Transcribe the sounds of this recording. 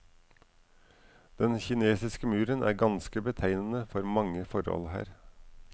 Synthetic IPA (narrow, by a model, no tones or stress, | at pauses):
d̪̥ɛnçɪneːsɪskəmʉːɾənʔæ̰ːɾɡɑnskəbət̪ʰæɪnən̩əfɔɾmɑŋəfɔɾɔ̰lhæ̰ːɾ